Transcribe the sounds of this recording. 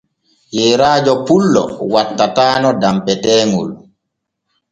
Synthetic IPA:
jɛːɾaːd͡ʒɔpulːɔ̰watːataːnɔdampɛtɛːŋṵl

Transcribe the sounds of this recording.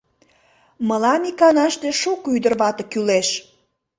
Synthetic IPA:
məlɑnikɑnɑʃt̪eʃukyd̪ərβɑt̪ə̆kyleʃ

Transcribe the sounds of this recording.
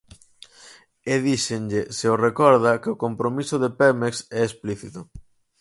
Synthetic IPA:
eðiʃeŋʎeseʊrekɔɾðɐkɪokompɾomisʊðepɛmeksɛespliθit̪ʊ

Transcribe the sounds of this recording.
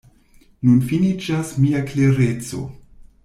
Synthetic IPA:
nunfinit͡ʃasmiakleɾet͡so̞̰

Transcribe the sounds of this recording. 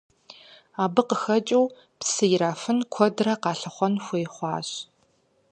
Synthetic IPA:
aːbɨqəxɐt͡ʃʼiw | psɨjɪɾaːfɨnkʷʰɔdrɐqɑːɬɐχʷɔnxʷeːχʷɑːɕ

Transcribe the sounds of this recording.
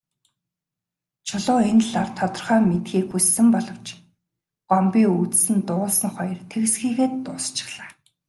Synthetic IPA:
t͡ɕʰʊɮʊːenɮart̪ʰːɔt̪ɞ̆rχœːmet̪xiːkxusːɘ̆mpɔɮɞ̆w̥t͡ɕ | ɢ̥ɔmpiːŋut͡ssɘ̆nt̪ʊːɮsə̆nχɔjɞ̆rt̪ʰeɣsxiːɣeːt̪ːʊːst͡ɕɪ̥̆χɮ̥aː

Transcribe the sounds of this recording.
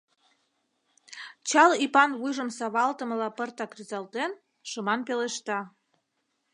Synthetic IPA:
t͡ɕɑlipɑnβujʒəmsɑβɑlt̪ə̆mə̆lɑpərt̪ɑkryzɑlt̪en | ʃəmɑnpeleʃt̪ɑ

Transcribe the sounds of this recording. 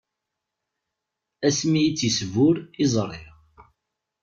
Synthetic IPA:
æsmijit͡sːisvʊɾizˤrˤɪʁ

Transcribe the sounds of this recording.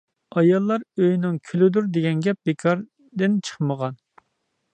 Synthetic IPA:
ɑjɑlˠːɑɾøjnɪŋkʲʰylɪd̪uɾd̪eɡʲɛnɡʲɛp̚bekʰɑɾ | d̪ɪnt͡ʃʰə̥χməʁɑn

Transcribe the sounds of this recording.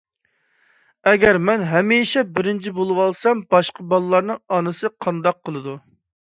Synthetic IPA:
ɛɡʲɛɾmɛnɦɛmiʃɛbɪɾɪnt͡ʃʰibolˠɨwɑlˠsɑmbɑʃqəbɑlˠɨlˠɑɾnɨŋɑnɨsɨqʰɑnd̪ɑq̚ʰːəlˠɨd̪u

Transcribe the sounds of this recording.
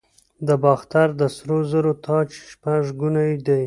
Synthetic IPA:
d̪əbɑxt̪aɾd̪əsɾozəɾot̪ʰɑt͡ʃʃpaʐɡunajd̪aj

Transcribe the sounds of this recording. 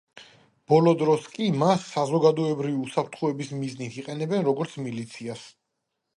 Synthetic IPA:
b̥ɔlˠɔd̪ɾɔskʼimasːazɔɡad̪ɔɛbɾiviusapʰɾt̪ʰχɔɛbismiznit̪ʰiqʼɛnɛbɛnɾɔɡɔɾt̪sʰmilit̪sʰias

